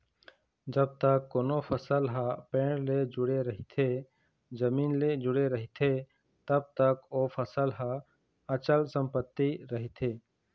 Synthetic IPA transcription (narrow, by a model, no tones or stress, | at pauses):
d͡ʒəb̚t̪əkːoːnopʰəsəlɦapẽːɽled͡ʒʊɽeɾəɦit̪ʰe | d͡ʒəmiːnled͡ʒʊɽeɾəɦit̪ʰe | t̪əb̚t̪əkoːpʰəsəlɦa | ət͡ʃəlsə̃mpət̪ːiɾəɦit̪ʰeː